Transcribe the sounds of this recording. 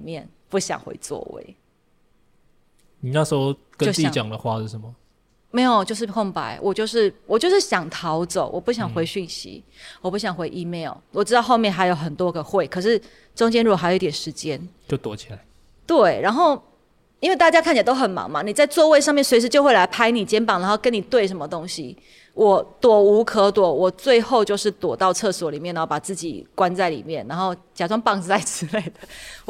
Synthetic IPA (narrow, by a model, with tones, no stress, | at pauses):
mjɛ˥˨n | pu˥˩ɕjɑ̰˨˩ŋxwḛ˧˥ɪt͡swɔ̰˥˧wḛ˥˩ɪ | ni˨˩na˥˩ʂ̩˧˥o˥˧ʊ | kə˦˥o˥˨i˥˨t͡ɕjɑ˨ŋd̪ə˨xwa˥˧ʂɻ̩˥˩ʂə˧˦nmə˩ | me˧˥ɪjo˨˩t͡ɕjo˥˧ʊʂɻ̩˥˩pʰʊ˥˧˩ŋpa̰˧˥ɪwʔɔ˨˩t͡ɕjo˥˧ʊʂɻ̩˥˩wɔ˨˩t͡ɕjo˥˧ʊʂɻ̩˥˩ɕjɑ˨˩ŋt̪ʰɑ˧˥ʊt͡so˨˩ʊwʔɔ˨˩pu˥˩ɕ̬jɑ˨˩ŋxwe˧˥ɪɕy˥˩nɕḭ˧˦wɔ˨˩pu˥˩ɕjɑ˨˩ŋxwe˧˥ɪʔi˧˥me˥˩ɪlwɔ˨˩ʈ͡ʂɻ̩˥t̪ɑ˥˧ʊxo˥˧mjɛ˥˨nxa˧˥ɪjo˨˩ʊxə˨˩nt̪wɔ˦ɡə˨xwe˥˩ɪkʰɤ˨˩ʂɻ̩˥˩ | ʈ͡ʂʊ˥ŋt͡ɕjɛ˥nɻu˥˩˨jo˨˧˦t̪jɛ˨˩nʂɻ̩˧˦t͡ɕjɛ˦˥n | t͡ɕo˥˩ʊt̪wɔ˨˦t͡ɕʰi˨la˨˦ɪ | t̪we˥˩ɪɻa˧˥nxo˥˩ʊ | i˥nwe˥˧ɪt̪a˥˩t͡ɕja˥kʰnt͡ɕi˨˩t̪o˥ʊxə˨˩nmɑ̰˧˥ŋma˨ni˨˩t͡sa˥˧ɪt͡swɔ˥˧we˥˧ɪʂ̬ɑ˥˧ŋmjɛ˥˨nswe˧˥ʂ̬ɻ̩˧˥t͡ɕjo˥˧xwe˥˩ɪla˧˥ɪpʰa˥ɪni˨˩t͡ɕjɛ˥npɑ˨˩ŋna˧˥nxo˥˩kə˦˥ni˨˩t̪we˥˩ɪʂə˧˥nmə˧t̪o˥ŋɕḭ˨ | wɔ˨˩t̪wɔ˨˩u˧˥kʰɤ˧˥t̪wɔ˨˩wɔ˨˩t͡swe˥˧ɪxo˥˧ʊt͡ɕjo˥˧ʊʂɻ̩˥˩t̪wɔ˨˩t̪ɑ˥˧ʊt͡sʰɤ˥˩swɔ˨˥li˨˩mjnːa˦˥o˥˩pa˨˩t͡sɹ̩˥˩t͡ɕḭ˨˩kwa˦nt͡sa˥˩ɪlḭ˨˩mjɛ˥˩nna˧˥nxo˥˩ʊt͡ɕja˨˩t͡swa˥ŋpɑ˥˧ŋ̩˧t͡sa˥˩ɪʈ͡ʂ̩˧˥le˧˩ɪd̪ə˨˩